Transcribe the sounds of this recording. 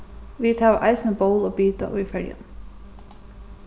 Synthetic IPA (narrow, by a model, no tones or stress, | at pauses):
ʋiːt̪ʰɑːʋʔɑɪsnəboʊloːbiːt̪ə̰ʔo̰ːifœljə̰n